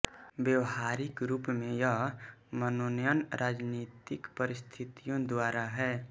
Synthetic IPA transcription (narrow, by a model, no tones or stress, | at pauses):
bjəwɦaɾɪkɾuːpmẽjəɦmənonjənɾʔaːd͡ʒnit̪ɪkpəɾɪst̪ʰit̪ijõd̪waːɾaɦɛː